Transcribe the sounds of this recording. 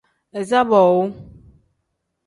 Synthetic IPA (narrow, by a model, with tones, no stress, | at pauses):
ɛ˨za˦bɔ˨wo˦